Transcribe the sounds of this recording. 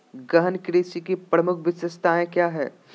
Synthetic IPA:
ɡɐɦənkɾeːsikipɾɐmʊkʰʋɪsəst̪aẽkjaːɦɛ̰ː

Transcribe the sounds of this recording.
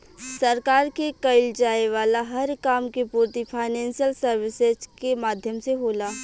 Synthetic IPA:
sɐɾkaːɾkekɐɪld͡ʒaːeʋaːlaɦɐɾkaːmkepuːɾt̪ipʰaːɪnɛ̃ːnsijəlsəɾʋɪsezkemaːd̪ʱjəmseɦoːlaː

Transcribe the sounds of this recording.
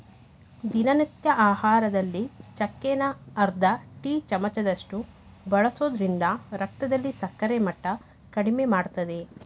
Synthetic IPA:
d̪inɐnit̪jɐʔaːhaːɾɐd̪ɐlːit͡ʃɐkːeːnɐːɾd̪ɐʈiːt͡ʃɐmɐt͡ʃɐd̪ɐʂʈu | bɐɭɐsoːd̪ɐɾind̪ɐɾɐk̚t̪ɐd̪ɐlːisɐkːɐɾemɐʈːɐ | kɐɽimemaːɽt̪ɐd̪e̞

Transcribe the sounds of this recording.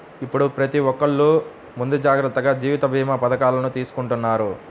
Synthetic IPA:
ipːuɽupɾɐt̪iʋɔkːɐɭːuː | mund̪ud͡ʒaːɡɾɐt̪ːɐɡaːd͡ʒiːʋit̪ɐbʱiːmɐpɐd̪ɐkaːlɐnut̪iːsu̥kuɳʈunːaːɾṵ

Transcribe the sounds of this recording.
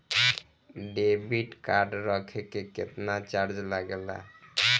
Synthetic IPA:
ɖebiʈkaɾɖɾɔkʰekeket̪nat͡ɕaɾd͡ʑlaɡela̰

